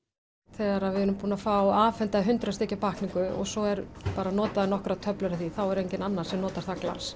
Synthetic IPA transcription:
θɛːɣaɾaðvɪðʏɾʏmpuːnafawaːfɛnt̪aðɦʏnt̪ɾast̪ecʏpahkniŋkʏɔ̰ɣsɔɛɾpaːɾanɔːt̪aðɪnɔhkɾat̪ʰœplʏɾaθiθawɛɾejɲcɪnanːḁsɛmnɔːt̪aɾ̥θakla̰ns

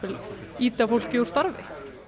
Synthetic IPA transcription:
ɪliːt̪afowl̥cɪuɾ̥st̪aɾvɪ̰

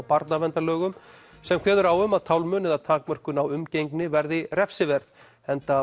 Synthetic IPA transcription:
wpaɾt̪navɛnt̪alœːɣʏm | sɛmkʰvɛːðʏɾawʏmaðt̪ʰawlmœːnɪðat̪ʰaːkmœr̥kʏnawʏmcejŋknɪvɛɾðɪrɛfsɪvɛɾð | ɛnt̪a

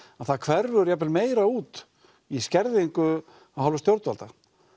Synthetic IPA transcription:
aθaðkʰvɛɾvʏɾjapɛlmeːjɾauːt̪ | iscɛɾðɪeŋkʏ | aðɦawlvʏst̪jowɾt̪valt̪a

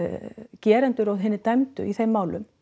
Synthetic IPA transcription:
cɛːɾɛnt̪ʏɾɔðɦɪnːɪt̪ajmt̪ʏ̰iθejmːaːwlʏ̰m

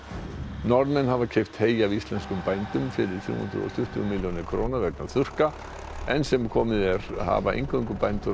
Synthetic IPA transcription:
nɔɾnmɛnhavacʰejft̪heːjavist̪lɛnskʏmpajnt̪ʏmfɪɾɪɾ̥θjṵːhʏ̰nd̪ɾ̰ɔ̰st̪ʰʏht̪ʏmɪljonɪkʰɾo̰ːnavɛknaθʏr̥ka | ɛnsɛmkʰɔːmɪðɛɾ̥ha̰ːvaḛjŋkʰəŋkʏpajnt̪ʏ

